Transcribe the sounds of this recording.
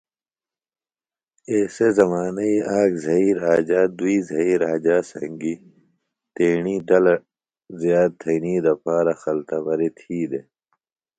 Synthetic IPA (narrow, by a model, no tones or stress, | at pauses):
eːsezɐmaːnɐiaːɡzʱɐiːɾaːd͡ʑaːd̪uiːzʱɐiːɾaːd͡ʑaːsɐŋɡi | t̪eːɳiːd̪ɐl | zjaːd̪̚t̪ʰɐniːd̪ɐpaːɾɐxɐlt̪ɐbɐɾet̪ʰiːd̪e